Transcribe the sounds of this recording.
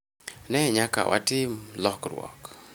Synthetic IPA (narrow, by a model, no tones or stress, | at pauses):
nɛɲaka̰wʔa̰tɪmlɔkrwɔ̰k